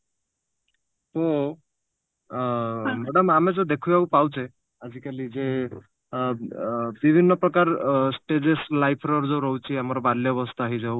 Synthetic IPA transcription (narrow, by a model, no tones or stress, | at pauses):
po | mɛɽəmamed͡zod̪ekʰujaupawt͡ʃʰe | ad͡ʒikalid͡ze | bibʱinːɔpɾɔkaɾsʈed͡ʒeslajpʰɾɔɾd͡zowɾɔɦwt͡ʃʰiamɔɾɔbad̪ljɔbɔst̪ʰaːɦid͡zaw